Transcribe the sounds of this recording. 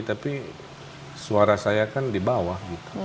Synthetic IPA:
t̪api | suaɾasajakandibawahɡit̪u̥

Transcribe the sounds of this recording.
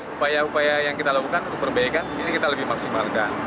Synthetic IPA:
upajaupajajaŋkit̪alakukanunt̪ʊk̚pərbaikaninikit̪aləbɪhmaksimalkan

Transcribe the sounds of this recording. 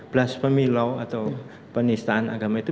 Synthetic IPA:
b̥laspəmilɔwat̪aw | pənist̪aʔana̰ɡa̤mait̪u

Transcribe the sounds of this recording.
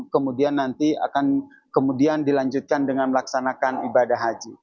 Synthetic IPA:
kəmudianːant̪ia̰kan | kəmudiandilaɲd͡ʒut̪̚kandəŋanməlaksanakanibadaɦad͡ʒi

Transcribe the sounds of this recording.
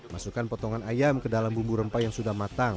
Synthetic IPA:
masukanpɔt̪ɔŋanajamkədalambumbuɾəmpajaŋsudahmat̪aŋ

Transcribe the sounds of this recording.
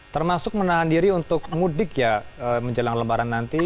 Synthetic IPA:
t̪ərmasʊk̚mənaɦandiɾiunt̪ʊk̚mudɪkjaəməɲd͡ʒəlaŋləmbaɾanːant̪i

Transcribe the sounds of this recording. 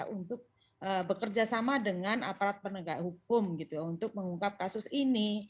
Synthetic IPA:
ʔunt̪ʊk̚ | ʔəbəkərd͡ʒasamadəŋana̰paɾat̪̚pənəɡahuk̚ʊmɡit̪ujaunt̪ʊk̚məŋuŋkap̚kasʊsini

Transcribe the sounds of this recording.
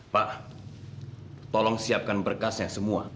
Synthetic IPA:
paʔ | t̪ɔlɔŋsiap̚kanbərkasjaŋsəmua

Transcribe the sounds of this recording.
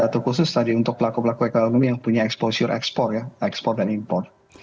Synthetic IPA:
at̪ukusʊst̪adiunt̪ʊk̚pəlakupəlakuɛkoonomijaŋpuɲaɛksposiʊɾʔɛ̰kspɔrjaɛkspɔr̚danimpɔrt̪̚

